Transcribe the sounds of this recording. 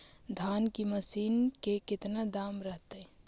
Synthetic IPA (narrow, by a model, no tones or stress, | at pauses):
d̪ʱankiməsiːnkekɪt̪nad̪amɾəɦt̪ɛ